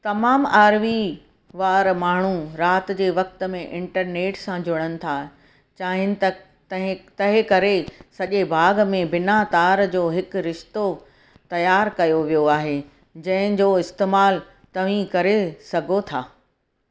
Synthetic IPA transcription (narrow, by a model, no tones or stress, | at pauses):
t̪ɐmaːmaːɾʋi | ʋaːɾmaːɳ̤uɾaːt̪̆d͡ʑeːʋɐk̚t̪ə̆mẽʔɪ̃ɳʈəɾneːʈsãd͡ʑʊɽ̃ənɪ̆t̪ʰaː | t͡ɕaːɦɪ̃nɪ̆t̪ɐ | t̪ɐ̃ɦɪ̃t̪ɐɦɪ̃kɐɾesɐʄebʱaːɡmẽbɪnat̪aːɾd͡ʑoːɦɪkɾɪʃt̪o | t̪ɐjaːɾkɐjoʋijoaːɦeː | d͡ʑɐ̃ɦɪ̃d͡ʑoːɪst̪eːmaːl | t̪ɐʋ̤ĩkɐɾesɐɡʱot̪ʰaː